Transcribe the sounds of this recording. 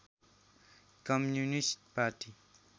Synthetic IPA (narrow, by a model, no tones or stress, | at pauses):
kʌmjunisʈ̚paɾʈi